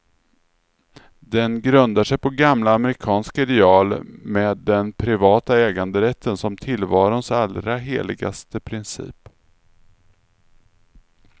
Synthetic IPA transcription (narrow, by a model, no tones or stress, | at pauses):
d̪ɛnɡɾɵnd̪aʂɛjpʰɔɡamlaːməɾɪkʰɑːnskaɪd̪ɛɑːlmeːd̪ːɛnpʰɾɪvɑːt̪aɛːɡand̪əɾɛt̪ʰːənsɔmt̪ʰɪlvɑːɾʊnsalɾaɦeːlɪɡa̰st̪əpʰɾɪnsḭːp